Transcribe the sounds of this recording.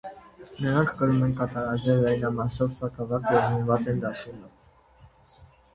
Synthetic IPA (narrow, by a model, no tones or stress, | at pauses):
nəɾɑŋkʰkəɾumɛnkɑt̪ɑɾɑzɛvlɛjnɑmɑsɔvsɑk̪ʰɑvɑkʰjɛvɦənvɑt͡sɛnd̪ɑʃunɔv